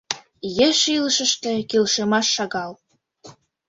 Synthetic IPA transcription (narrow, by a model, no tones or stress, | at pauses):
jeʃiləʃə̆ʃt̪ĕkilʃemɑʃːɑɣɑl